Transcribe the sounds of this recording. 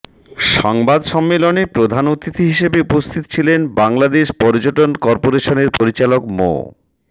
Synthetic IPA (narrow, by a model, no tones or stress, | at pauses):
ʃɔŋbad̪ʃɔmːelonepɾod̪ʱanut̪it̪ʰiɦiʃebeupost̪ʰit̪o̥t͡ɕʰilenbaŋlad̪eʃpɔɾd͡ʑoʈonkɔɾpoɾeʃoneɾpoɾit͡ɕalokmo̰